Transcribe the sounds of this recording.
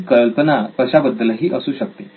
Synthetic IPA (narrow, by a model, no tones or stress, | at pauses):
kəlpənapəɕabəd̪ːəlɦiːʔəsuːɕək̚t̪e